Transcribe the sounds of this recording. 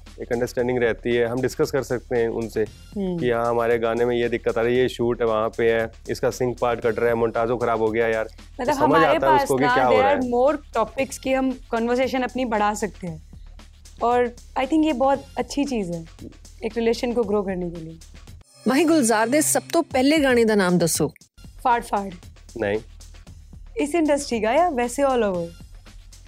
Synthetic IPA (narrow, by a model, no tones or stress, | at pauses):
eːkɐ̃ɳɖəɾsʈɛ̃ːɳɖɪ̃ŋɡɾɛɦt̪iɦɛɦɐmɖɪskəskɐɾsɐk̚t̪eɦɛ̃ʔʊ̰nse | ɦkijɐɦãɦɐmaːɾeɡaːnemẽjed̪ɪkːət̪aːɾjeʃuːʈɦɛʋɐɦãpeɦɛ | ɪskasɪ̃ŋɡk̚paːɾʈkɐʈɾaɛmɔ̃ːɳʈaːd͡ʒkoxɐɾaːbɦoɡɐjajaːɾ | mɐt̪ləbɦɐməd͡ʒaːeaɦɛʊskokiakːjaːɦoːɾɾmoːɾʈɔːpɪkskiɦɐmkɔ̃ːnʋəɾs̬eːʃənɐpnibɐɽ̤aːsɐk̚t̪eɦɛ̃ː | ɔːɾ | aːɪt̪ʰɪ̃ŋkjebɔːt̪ɐtːʃʰit͡ʃiːzɦɛː | eːkɾɪleːʃənkoɡɾoːkɐɾnekelie | mɐːɦĩɡʊlzaːɾd̪eːsɐb̚t̪opɛɦleɡaːɽ̃ed̪anaːmd̪ɐsoː | faːɾɖfaːɾɖ | nɐɦĩː | ɪsɪ̃ɳɖəsʈʰiːkaːjaːʋɛːseɔːloːʋəɾ